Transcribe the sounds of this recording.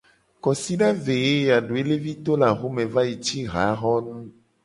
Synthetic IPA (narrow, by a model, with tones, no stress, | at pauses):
kɔ˨si˦ɖa˦ve˨je˦˨a˨ɖo˨e˦le˦vi˦t̪o˦la˨ɣo˦mẽ˨va˦je˨t͡ʃi˦ɣa̰˨˦ɣɔ˦nũ˦